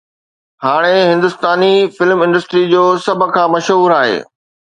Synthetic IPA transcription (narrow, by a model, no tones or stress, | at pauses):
haːɽ̃eɦɪ̃nd̪ʊst̪aːnifɪlmɪ̃nɖəsʈɾid͡ʑoːsɐb̆ʱkʰãːmɐʃɦuːɾaːɦḛː